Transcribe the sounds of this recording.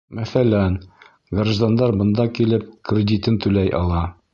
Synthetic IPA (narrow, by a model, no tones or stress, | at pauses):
mæθælæn | ɡrʒd̪and̪ɑɾbɤ̆nd̪ɑkilɘp̚krʲɪd̪ʲit̪ɘnt̪ʉlæjʔɑ̰lˠɑ